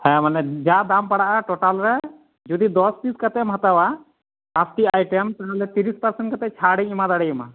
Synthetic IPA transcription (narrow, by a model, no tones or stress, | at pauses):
hɛ̃manɛd͡ʒad̪ampaɽaʔaʈɔʈalɾɛ | d͡ʒud̪id̪ɔsp̪iskat̪ɛmɦat̪awa | apʰʈiajʈɛmt̪ɛɦalɛt̪iɾispəɾsɛɳʈkat̪ɛt͡ʃʰaɽɛɲimad̪aɽɛjima